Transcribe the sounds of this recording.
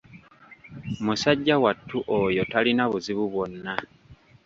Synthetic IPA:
musaɟːawatʰːuʔojo̞talinaβuziβuβwo̞nːa

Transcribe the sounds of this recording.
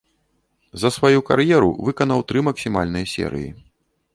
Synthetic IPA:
zɐsvajuka̰ɾjɛɾṵvɨkɐnɐwt̪ɾɨmɐksʲimalʲnɨjɐsʲɛ̰ɾɨ̰jḭ

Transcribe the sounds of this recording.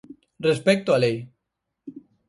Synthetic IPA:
respek̚t̪oalej

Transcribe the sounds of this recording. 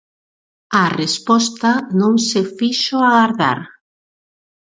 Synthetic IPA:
arespɔst̪anõŋsefiʃoaɣaɾða̰ɾ

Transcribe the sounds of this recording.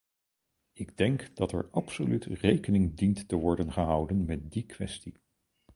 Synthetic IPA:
ɪɡdɛŋkd̥ɑtɛ̰ɹɑpsolytrejkənɪŋdintːəʋɔɹdənχəɦʌwdənmɛt̚dikʋɛ̰sti

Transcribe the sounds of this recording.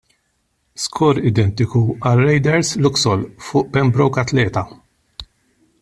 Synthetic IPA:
skʰɔːɾɪd̪ɛnt̪ɪkuɐlːɐjd̪ɛɾslʊksɔlfʊːʔbɛmbɾɔwkɐt̪lɛːt̪ɐ

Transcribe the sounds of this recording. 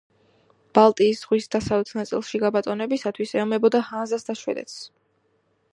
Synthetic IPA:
b̥alˠt̪ʼiːsz̥ʁwisd̪asavɛt̪sʰnat̪sʼḭlˠʃiɡabat̪ʼɔnɛbisat̪ʰwisɛɔmɛbɔd̪ahanzasd̪aʃwɛ̰d̪ɛ̰t̪s

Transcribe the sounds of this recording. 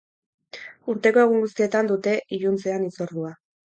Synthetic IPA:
uɾt̪e̞ko̞e̞ɣ̞uŋɡust̪ie̞t̪and̪ut̪e̞ʔiʎunt͡seanit͡so̞ɾðua

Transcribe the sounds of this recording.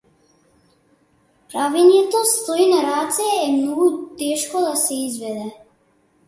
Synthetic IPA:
pɾavɛnjɛt̪ost̪oinaɾat̪sɛːmnɔɡut̪ɛʃkɔd̪asɛizvɛd̪ɛ

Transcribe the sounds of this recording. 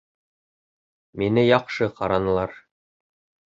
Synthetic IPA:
minɘjɑqʃɤqɑɾɑnɤ̆lˠɑɾ

